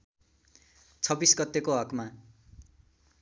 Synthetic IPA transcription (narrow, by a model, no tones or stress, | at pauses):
t͡sʰʌbisɡʌt̪ːekoɦʌkma